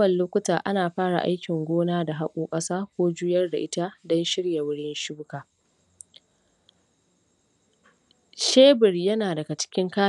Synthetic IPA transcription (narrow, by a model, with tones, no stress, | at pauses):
ɐ˨lloː˦kʷʊ˦taː˨ʔa˦naː˨ɸaː˦ɽa̰˨ʔa̰˦jkʲɪ˨ŋɡʷoː˦naː˦da˨ɦa˦kʷʼuː˦kʼɐ˦saː˦kʷoː˦d͡ʒʊː˦jɐ˦rda̰˨ʔɪ˦ta˦dɔ˦nʃɪ˦ɽja˨wʊ˦ɽɪ˦nʃɪ˦bʊ˦kaː˨ | ʃeː˦bɪ˨rjɐ˦naː˨dɐ˨ɡa˨t͡ʃɪ̥˦kʲɪ˦ŋkaː˦